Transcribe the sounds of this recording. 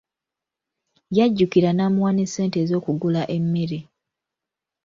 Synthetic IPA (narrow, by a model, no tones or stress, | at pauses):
jaɟːukiɾanaːmuwaːnese̞ːnte̞ːzo̞ːkuɡulaʔe̞mːeɾe